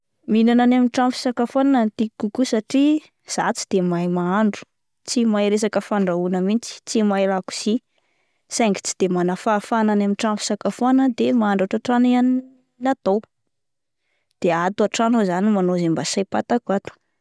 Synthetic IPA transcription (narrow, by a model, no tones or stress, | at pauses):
minananamiʈ͡ʂamfi̥sakafananant̪iikukusaʈ͡ʂi | z̥at͡sid̪̥emajmaaɳɖ͡ʐu̥ | t͡simaeɾesakəfaɳɖ͡ʐaunəmint͡si̥t͡simaelaku̥si | saŋɡi̥t͡si̥d̪̥emanafafananamiʈ͡ʂamfi̥sakafanəd̪emaaɳɖ͡ʐaʈ͡ʂaʈ͡ʂanian | nat̪ow | d̪̥eat̪uaʈ͡ʂanozanimanozimbasajpat̪akuat̪u̥